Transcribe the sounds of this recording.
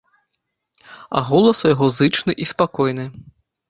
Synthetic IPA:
a̰ɣɔlˠɐsjaɣɔzɨt͡ʂnɨʔispakɔjn̪ɨ

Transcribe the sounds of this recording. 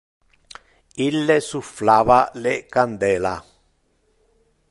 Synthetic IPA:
ilːesuflaβaleʔkand̪ela

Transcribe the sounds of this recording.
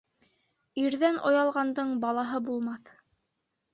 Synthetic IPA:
iɾðænʔojɑlˠʁɑnd̪ɤɴbɑlˠɑɦɤbulˠmɑθ

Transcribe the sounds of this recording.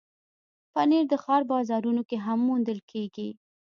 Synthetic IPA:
pəneɾd̪əxɑɾbɑzɑɾunokeɦamːund̪əlkʰeɡi

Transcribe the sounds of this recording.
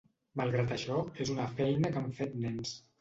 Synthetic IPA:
malˠɣɾat̪əʃɔezunəfɛjnəkaɱfet̪nɛns

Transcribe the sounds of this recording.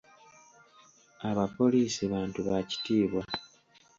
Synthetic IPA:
aβapo̞liːsiβaːntuβaci̥tiːβwa

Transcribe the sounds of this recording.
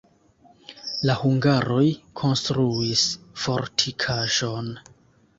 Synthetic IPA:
lahuŋɡaɾo̞jkʰo̞nstɾuisfo̰ɾtʰikʰaʒo̞n

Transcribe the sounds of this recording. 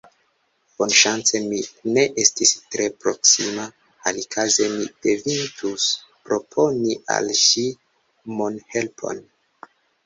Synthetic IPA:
b̥o̞nʃant͡se̞mine̞ʔe̞stistɾe̞pɾo̞ksima | alikʰaze̞mipevintuspɾo̞pʰo̞niʔa̰lʃi | monhe̞lpʰo̞̰n

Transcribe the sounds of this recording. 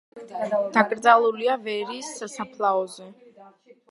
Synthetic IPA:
d̪̥akʼɾd̪zalˠuliavɛɾiːsːasapʰlˠaɔzɛ

